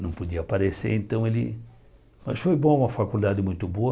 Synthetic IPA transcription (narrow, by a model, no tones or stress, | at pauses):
nɐ̃w̃pod̪iɐapaɾesḛɾẽnt̪ɐ̃w̃elɪ̰ | mɐsfojbõũmɐfakuld̪ad̪ɪmũj̃t̪ʊboɐ